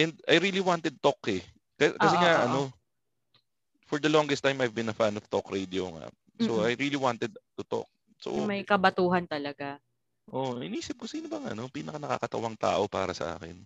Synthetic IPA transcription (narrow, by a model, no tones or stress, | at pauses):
ʔɛnd̪̚ɐjɾiːliwant̪ɛd̪̚t̪okɛ | kɐkɐsɛŋaʔɐno | fɔɹd̪ɐlɔŋɡɛst̪ːajmɐjvbɪ̃nɐfanɔvt̪okɹejd̪ioŋa̰ | soʔajɹiːliwant̪ɛd̪̚t̪ʊt̪o̰k̚ | so̰mɐjkɐbɐt̪uːɦɐnt̪ɐlɐɡa | ʔoɪniːsɪp̚kosiːnobɐŋɐ̰no̞piːnɐkɐnɐka̰kɐt̪ɐwɐŋt̪a̰ːʔo̞pa̰ːɾɐsɐ̰ʔa̰ːkɪ̰n